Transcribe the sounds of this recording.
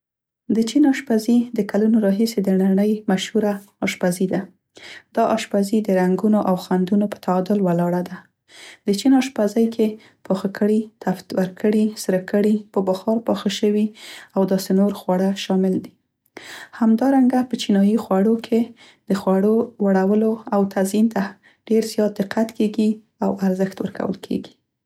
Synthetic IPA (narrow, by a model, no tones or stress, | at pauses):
d̪ət͡ʃinɑʃpazid̪əkalunoɾɑɦised̪ənaɳəjmaʃhuɾa | ɑʃpazid̪a | d̪̥ɑʔɑʃpazid̪əɾaŋɡunoʔawxand̪unopə̥t̪aːd̪ʊlwalɑɽad̪a | d̪̥ət͡ʃinɑʃpazajkʰe | pɑxakʰəɽit̪aft̪waɾkʰəɽisɾəkəɽipəbaxɑɾpɑxaʃəwiawd̪ɑsenoɾxwɑɽaʃɑmɪld̪i | hamd̪ɑɾaŋɡapət͡ʃinɑjixwaɽokʰe | d̪̥əxwaɽowaɽawəloawt̪ʰazint̪a | ɖ̥eɾzjɑt̪̚d̪ɪqat̪keɡi | awaɾzəxt̪wəɾkʰa̰wə̰lkʰḛɡi̥